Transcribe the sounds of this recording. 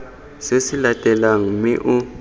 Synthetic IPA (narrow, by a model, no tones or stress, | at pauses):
sesilatʼɛlaŋumiʔu